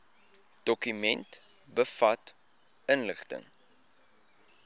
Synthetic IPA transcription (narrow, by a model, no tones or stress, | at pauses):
d̥ɔkymɛnt | bəfɐt | ənləχtə̰ŋ